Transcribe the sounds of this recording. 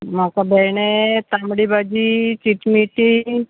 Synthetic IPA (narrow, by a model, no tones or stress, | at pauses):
makabɛjɳet̪amɽibad͡ʑit͡ɕiʈmiʈi